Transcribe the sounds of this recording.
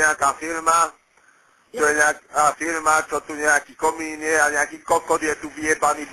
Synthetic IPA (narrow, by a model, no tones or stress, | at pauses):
ɲakafeɾma | toɛɲaafeɾimat͡ʃɔt̪oɲaakikɔminiɛaɲakikɔkɔdiɛt̪uviɛbanĩb